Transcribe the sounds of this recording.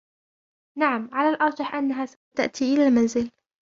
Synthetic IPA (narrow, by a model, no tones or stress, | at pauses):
naʕamʕalalʔɑɾˤd͡ʒɑħʔanːaɦas | t̪aʔt̪ʰiʔɪlalmanzɪl